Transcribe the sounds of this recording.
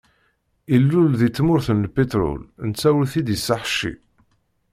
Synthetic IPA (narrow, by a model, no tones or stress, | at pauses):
ilːulðit͡sːmʊɾθənpet̪ɾʊ̰lnt͡sːæwlθid̪isːaħʃḭ